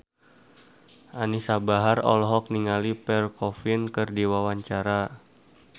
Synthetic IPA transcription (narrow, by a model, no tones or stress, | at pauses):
ʔanisabaɦarɔ̰lɦɔk̚niŋalipɛrkɔfinkɨrdiwawaɲt͡ʃaɾa